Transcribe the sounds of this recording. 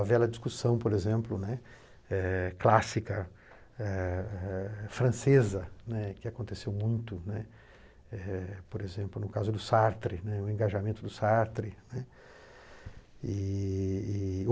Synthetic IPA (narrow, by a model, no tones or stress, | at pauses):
ɐvɛlɐd͡ʒiskusɐ̃w̃poɾezẽmplʊnɛ | ɛklasikɐ | ɛɛfɾɐ̃sezɐnɛkɪakõnt̪esewmũj̃t̪ʊnɛ | ɛpoɾezẽmplʊnʊkazʊd̪ʊsaɾt̪ɾɪnɛʊẽɡaʒamẽnt̪ʊd̪ʊsaɾt̪ɾɪnɛ | iː